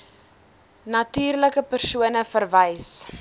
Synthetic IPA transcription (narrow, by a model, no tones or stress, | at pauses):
nɐtyːrləkəpərsuənəfərvɛjs